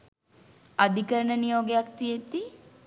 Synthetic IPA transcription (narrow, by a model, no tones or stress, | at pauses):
ad̪ʱikəɾənənijoːɡejak̚t̪ijet̪i